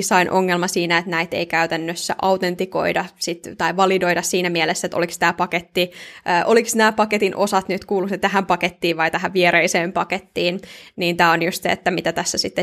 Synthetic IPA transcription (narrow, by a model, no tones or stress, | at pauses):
sɑinʔoŋːelmɑsiːnæet̪næit̪ḛikæyt̪ænːøsːæ̰ʔɑwt̪ent̪iko̞̰idɑsit̪t̪ɑiʋɑlido̞jdɑssiːnæmielesːæet̪o̰likst̪æːpɑket̪ːiʔəːʔoliksnæːpɑket̪inʔo̞sɑt̪nyt̪kuːluksnt̪æɦæmpɑket̪ːiːʋʋɑjt̪æɦæʋʋieɾeiseːmpɑket̪ːiːnniːnt̪æːonjust̪sḛḛt̪ːæmit̪æt̪æsːæsit̪ːe